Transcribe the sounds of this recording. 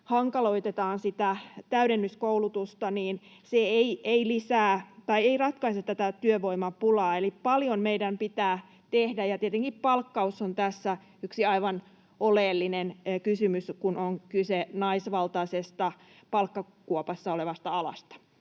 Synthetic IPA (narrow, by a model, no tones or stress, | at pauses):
hɑŋkɑlo̞it̪et̪ɑːnsit̪æt̪æyɾenːyskoulut̪ust̪ɑniːnseeieilisæːt̪ɑieirɑt̪kɑiset̪t̪ːæt̪æt̪yøʋoimɑpulɑːelippɑljommeidæmpit̪æː | t̪ehdæjɑt̪iet̪eŋkippɑlkːɑusːont̪æsːæ | yksiɑiʋɑn | oleːlːinenkysymyskunoŋkysenɑisʋɑlt̪ɑsest̪ɑ | pɑlkːɑ | kuopɑsːɑoleʋɑst̪ɑɑlɑ̰st̪ɑ̥